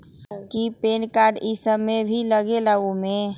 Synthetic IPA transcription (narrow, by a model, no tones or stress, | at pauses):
kipeːnkaːɾɖɪsəmːebʱiləɡelaumẽ